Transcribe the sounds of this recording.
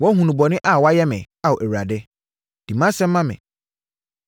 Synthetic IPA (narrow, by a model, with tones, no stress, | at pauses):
wɔ˦ɦũ˨nũ˨bɔ˨nɪ̃˦ʔa˦˨wɔ˦a˦jɛ˦mɪ̃˨ | a˨wɔ˨ʔæ˨wu˨ɾa˨dɪ˦ | d̥i˨mã˦sɛ̃˦m̩ː˦ã˦mɪ̰̃˨